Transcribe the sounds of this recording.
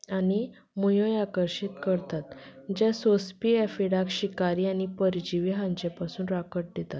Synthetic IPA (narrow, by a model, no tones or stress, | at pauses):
ani | mujojakəɾɕit̪kəɾt̪at̪d͡ʑasospiɛfiɽakɕikaɾiːañipəɾd͡ʑiʋiɦãɲt͡ɕepasuːnɾakəʈ̚d̪et̪at̪